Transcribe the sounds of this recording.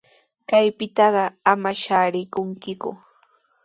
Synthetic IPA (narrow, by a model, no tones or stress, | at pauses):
kajpɪt̪ɑɢɑamaʃaːɾɪkʊŋkɪkʊ̰